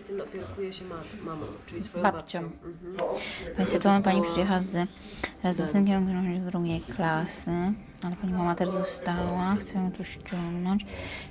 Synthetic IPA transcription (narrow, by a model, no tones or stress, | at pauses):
sɛnɔpʲɛɾkujɛɕɛmat̪mamɔ̃ɨibapt͡ɕɔ̃ | pasɛt̪uɔnpaɲipʂɛjɛɦaaz | ɾɛzɔsɛnkʲɛ̃mɔ̃ɡʲɔnɔ̃ɲd͡ʑvd̪ɾuɡʲɛjklasɘ | alɛpaɲimamat̪ɛɾzɔst̪awaxt̪sɛjɔ̃w̃t̪ɔɕt͡ɕɔŋɡnɔɲt͡ɕ